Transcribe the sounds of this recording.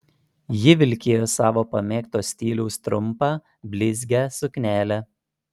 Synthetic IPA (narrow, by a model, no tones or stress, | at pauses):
jɪʋʲɪlʲkʲeːjoːsɑːʋoːpɐmʲeːkt̪oːsʲt̪ʲiːlʲɛʊst̪ɾʊmpɑː | bʲlʲɪzʲɡʲæːsʊkʲnʲæːlʲæ